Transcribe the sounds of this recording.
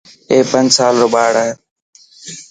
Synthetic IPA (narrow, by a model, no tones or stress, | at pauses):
eːpənd͡ʒsaːlɾoːɓaːɽaːɦe